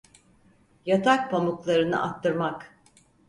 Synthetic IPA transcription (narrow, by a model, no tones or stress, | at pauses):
jat̪ʰak̚pʰamuklˠaɾɯnɯ̰ʔat̪ʰːɯɾmak